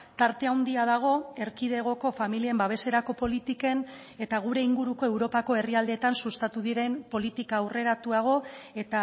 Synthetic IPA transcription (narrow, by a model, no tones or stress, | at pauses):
t̪aɾt̪e̞awnd̪iað̞aɣ̞o̞e̞ɾkið̞e̞ɣ̞o̞ko̞familie̞mbaβ̞e̞se̞ɾako̞po̞lit̪ike̞n | e̞t̪aɣ̞uɾe̞iŋɡuɾuko̞e̞wɾo̞pako̞e̞riald̪eːt̪ansust̪at̪uðiɾe̞mpo̞lit̪ikaːwre̞ɾat̪uaɣ̞o̞e̞t̪a